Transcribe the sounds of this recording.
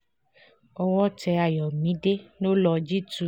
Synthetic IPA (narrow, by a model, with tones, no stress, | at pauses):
ɔ˧wɔ˦t͡ʃɛ˧a˨jɔ˨mĩ˨˦ɖe˦no˦lɔ˧d͡ʒi˦tu˧